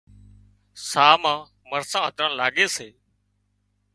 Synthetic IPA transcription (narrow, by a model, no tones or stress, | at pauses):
saːmãː | məɾsãːɦət̪ɾə̃ːlaːɠeːseː